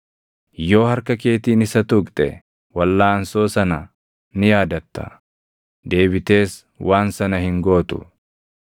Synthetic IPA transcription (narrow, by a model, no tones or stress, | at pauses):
jo̞ːhɐɾkɐke̞ːt̪iːnɪsɐt̪ʊkʼt̪ʼɛ | wɐlːaːɐnso̞ːsɐnɐ | nɪjaːd̪ɐt̪ːɐ̰ | d̪e̞ːbɪt̪e̞ːs | waːnsɐnɐhɪŋɡo̞ːt̪ʊ̰